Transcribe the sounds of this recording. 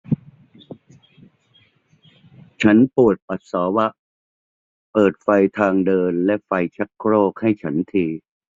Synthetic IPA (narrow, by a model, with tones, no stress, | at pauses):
t͡ɕʰa˦˥npu˨˩ət̪̚pa˨˩t̪̚sɔː˩˦wa˦˥ʔ | pɤː˨˩t̪̚fa˧jt̪ʰaː˧ŋdɤː˧nlɛ˦˥ʔfa˧jt͡ɕʰa˦˥kkʰɾoː˥˩k̚ha˥˩jt͡ɕʰa˦˥nt̪ʰiː˧